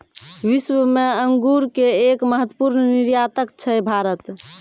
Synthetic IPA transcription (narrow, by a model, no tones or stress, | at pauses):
ʋiswəmeəŋɡuɾkeekməɦət̪wəpuɾnniɾjat̪ək̚t͡ʃʰəbʱaɾət̪